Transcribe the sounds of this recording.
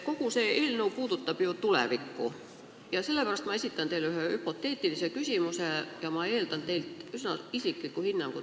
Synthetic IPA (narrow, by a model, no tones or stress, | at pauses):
ko̞kuseʔilnuːpuːd̪ut̪ːɑb̥jot̪ulḛʋikːṵ | jɑselːepærɑst̪mɑe̞sʲit̪ːˑɑnt̪eilyɦøhypo̞t̪ːe̞ːt̪ːˑilisekysʲimusejɑmɑeːlt̪ɑnt̪e̞jlt̪ysnɑisikːˑikuhinːɑŋɡ̥u